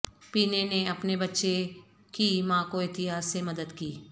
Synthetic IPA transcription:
piːneneɐpnebɐtːʃe | kimãːkoɪt̪ɪɦaːsːemɐd̪əd̪kiː

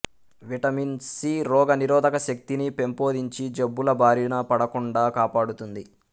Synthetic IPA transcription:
ʋiʈɐminsiɾɔːɡɐniɾɔːd̪ɐkɐʃɐk̚t̪inipe̞mpo̞ːd̪iɲt͡ʃid͡ʒebːulɐbʱaːɾinɐpɐɽɐkuɳɖaːkaːpaːɽut̪und̪i

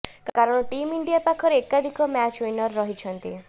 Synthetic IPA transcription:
kkaɾɔɽ̃ɔʈimiɳɖijapakʰɔɾeekad̪ʱikɔmat͡ʃwinɔɾːɔɦit͡ʃʰɔnt̪ḭ

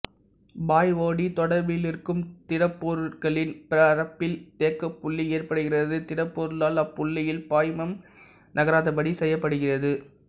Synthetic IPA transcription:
baːjʋoːɽit̪ɔɽɐɾbɪlɪrkɯmt̪ɪɽɐpːoːɾɯɣɐɭɪnpɪɾɐːɾɐpːɪlt̪eːkːɐpːʊɭːieːrpɐɽɯɣɪrɐðɯt̪ɪɽɐpːoːɾɯlaːlɐpːʊɭːɪjɪlpaːjmɐm | nɐɣɐɾaːðɐpɐɽisɛjːɐpːɐɽɯɣɪrɐðɯ

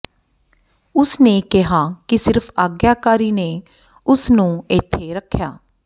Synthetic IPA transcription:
ʊsneːkɪɦaːkɪsɪɾpʰaːɡjaːkaːɾiːneː | ʊsnũːɪt̪ʰːeːɾəkʰːjaː

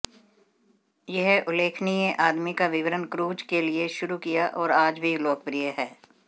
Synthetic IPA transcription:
jeɦʔʊleːkʰnieʔaːd̪mikaʋɪʋəɾənkɾuːd͡ʒkelieʃʊɾukijaʔɔːɾaːd͡ʒbʱiloːk̚pɾijəɦɛː

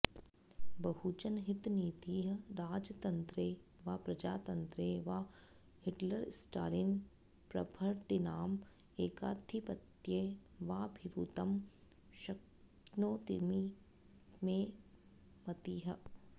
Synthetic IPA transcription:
bɐɦut͡ʃɐnɦɪt̪niːt̪iːɦɐɾaːd͡ʒt̪ɐ̃nt̪ɾeːʋaːpɾɐd͡ʒaːt̪ɐnt̪ɾeːʋaː | hɪʈlɐɾsʈaːɾɪn | pɾɐbʱɐɾt̪inaːm | eːkaːt̪ʰipɐt̪jeːʋaːbʱiʋut̪ɐm | ʃɐk | noːt̪imi | mẽː | mɐt̪iːɦɐ̆

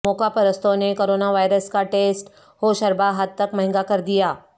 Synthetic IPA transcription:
moːkapɐɾəst̪õnekoːɾoːnaʋaːɪɾəskaʈeːsʈ | hoːʃɐɾbaɦad̪̚t̪ɐkmɐɦɪ̃ŋɡakɐɾd̪ijaː

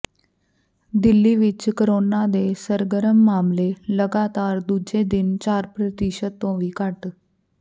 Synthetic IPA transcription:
d̪ilːiːʋit͡ʃkəɾonad̪esəɾɡəɾəmːaːmleləɡat̪aːɾd̪ud͡ʒed̪ɪnt͡ɕaːɾpɾət̪iʃət̪ːõʋiːkaʈ

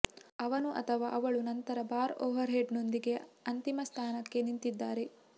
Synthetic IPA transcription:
ɐʋɐnuʔɐ̰t̪ʰɐʋaːʔɐʋɐɭunɐnt̪ɐɾɐbaːɾoːʋɐɾɦeːɖno̞nd̪iɡe̞ɐnt̪imɐst̪ʰaːnɐkːe̞nint̪id̪ːaːɾe̞

